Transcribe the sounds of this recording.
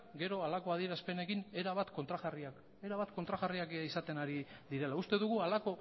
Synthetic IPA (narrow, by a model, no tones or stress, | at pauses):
ɡe̞ɾo̞alako̞aðie̞ɾaspe̞ne̞kine̞ɾaβ̞at̪ko̞nt̪ɾaɣariak | e̞ɾaβat̪ko̞nt̪ɾaɣariakisat̪e̞naɾiðiɾe̞laust̪e̞ðuɣualako̞